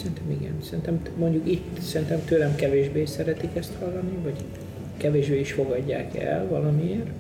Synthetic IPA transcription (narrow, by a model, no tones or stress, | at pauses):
sɛɾint̪ɛmiɡɛ̰nsɛɾint̪ɛmmo̞ɲɟukit̪sɛɾint̪ɛmt̪øːlɛmkɛveːʒbeːsɛɾɛt̪ikɛst̪hɒlːɒnivɒɟ | kɛveːʒbeːiʃfo̞ɡɒɟːa̰ːkɛ̰lvɒlɒmieːr